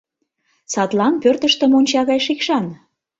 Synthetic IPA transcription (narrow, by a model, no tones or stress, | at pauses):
sɑt̪lɑnpørt̪əʃt̪ə̆monʲt͡ɕɑɣɑjʃikʃɑn